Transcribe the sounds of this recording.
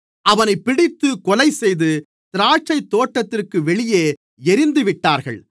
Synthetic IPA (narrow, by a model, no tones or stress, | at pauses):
ʔɐʋɐnɐɪpːɪɽɪt̪ːɯkɔlɐɪsɛjðɯ | t̪ɪɾaːt͡ʃːɐɪt̪ːoːʈːɐt̪ːɪrkɯʋɛɭɪjeː | ɛɾɪnd̪ɯʋɪʈːaːɾɣɐ̰ɭ